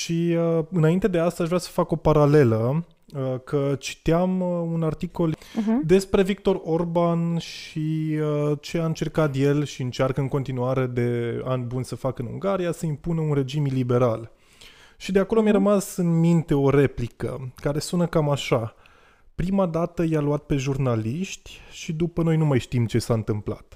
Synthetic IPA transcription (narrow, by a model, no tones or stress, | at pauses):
ʃiəɨnaint̪e̞d̪e̞ast̪aːʃvɾʲasə̥fako̞paɾale̞lə | əkʰət͡ʃi̥t̪iamunart̪iko̞ld̪e̞spɾe̞vik̚t̪o̞ɾo̞rbanʃiət͡ʃe̞aɨnt͡ʃe̞rkat̪je̞lʃiɨnt͡ʃarkəɨŋko̞nt̪inuaɾe̞d̪e̞anʲbunʲsəfakəɨnṵŋɡaɾijasəimpunəunre̞d͡ʒimilibeɾal | ʃid̪eako̞lo̞mjaɾəmasɨnmint̪e̞o̞ɾe̞plikə̰kaɾe̞sunəkamaʃa | pɾimad̪at̪əjaluat̪̚pe̞ʒurnaliʃt̪ʲʃid̪upəno̞jnumajʃt̪imt͡ʃe̞saɨnt̪ɨmpla̰t̪